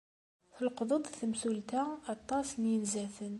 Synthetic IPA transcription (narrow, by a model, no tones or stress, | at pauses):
θəlqðˤəd̪ˤθəmsult̪æɑt̪ˤːɑsnjənzæθən